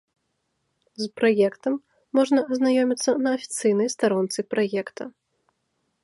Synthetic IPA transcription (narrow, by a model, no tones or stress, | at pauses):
zpɾajɛkt̪ɐmː | ɔʐnɐɐznajɔmʲit̪sːɐnɐːfʲi̥t̪sɨjnɐjst̪aɾɔnt̪sɨpɾajɛkt̪ɐ